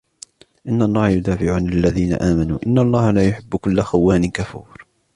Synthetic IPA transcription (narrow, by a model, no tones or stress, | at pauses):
ʔɪnːanːɑːɾˤjʊd̪aːfɪʕuːnlɪlːaðiːna̰ʔaːmanṵːʔɪnːalˤːɑːhalaːjʊħɪbːʊkʊlːaxawːaːnɪkafuːɾ